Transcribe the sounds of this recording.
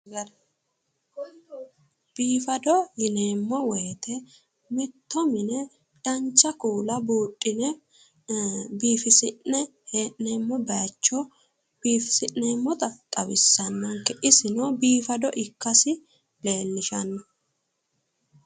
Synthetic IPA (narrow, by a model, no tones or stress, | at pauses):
b̥iːfɐd̪ɔjɪneːmːɔwɛːt̪ɛ | mɪt̪ːɔmɪnɛ | d̥ɐnt͡ʃːɐkuːlɐbuːtʼːɪnɛ | biːfɪsɪʔnɛ | heʔneːmːɔbɐːt͡ʃːɔ | b̥iːfɪsɪʔneːmːɔt̪ɐt̪ʼɐwɪsːɐnːɐŋkɛʔɪsɪnoːbiːfɐd̪ɔʔɪkːɐsɪ | le̞ːlːɪʃɐnːɔ